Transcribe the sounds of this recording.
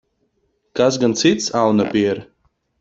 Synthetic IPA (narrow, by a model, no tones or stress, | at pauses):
kas̬ɡant̪sit̪sawnapʲiɛɾ